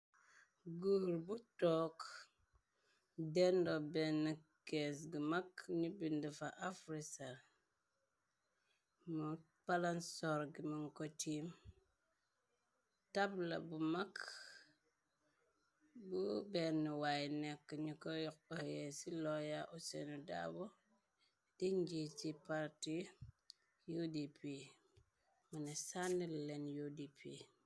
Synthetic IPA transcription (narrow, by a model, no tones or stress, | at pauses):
ɡuhɾbutɔk | dendobenːikes̬ɡimakɲibindifaʔafɾisaɾ | mu | palansoɾɡiməŋkotim | tabla̰bumak | bubɛniwajnɛkːəɲukɔjɔkɔɛsilɔjaʔusenuda̰bɔ | d̥iɲd͡ʒit͡ʃipaɾti | judipi | munɛsanːilɛnjudipʰi